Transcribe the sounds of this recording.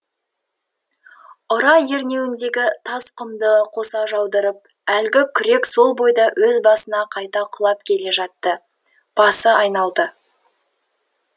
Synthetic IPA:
ʊɾɑjeɾne̞wɪnd̪e̞ɡʲɪt̪ʰɑsqʊmd̪əqʰo̞sɑʒɑwd̪əɾəp̚ | ælɡʲɪkʲʰʏɾe̞kso̞lˠbo̞jd̪ɑwɵzbɑsənɑqʰɑjt̪ɑqʰʊlˠɑp̚kʲʰe̞le̞ʒɑt̪ːə | b̥ɑsəɑjnɑlˠd̪ə

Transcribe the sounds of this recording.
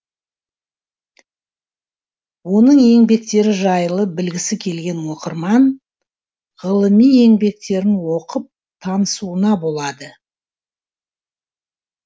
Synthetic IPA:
wo̞nəɴje̞ŋbe̞k̚t̪e̞ɾɪʒɑjəlˠəbɪlɡʲɪsɪkʲʰe̞lɡʲe̞nwo̞qəɾmɑn | ʁəlˠəmije̞ŋbe̞k̚t̪e̞ɾɪnwo̞qəp̚ | t̪ʰɑnəsuənɑbo̞lˠɑd̪ə

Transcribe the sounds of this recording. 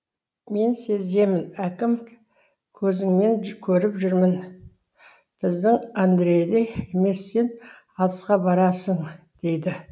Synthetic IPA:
me̞nse̞ze̞mɪnækʲɪm | kʲʰɵzɪŋme̞ŋkʲʰɵɾɪpʒʏɾmɪn | b̥ɪzd̪ɪŋand̪ɾejd̪eje̞me̞sːe̞n | ɑt̪əsqɑbɑɾɑsəɴ | d̪̥e̞jd̪ɪ

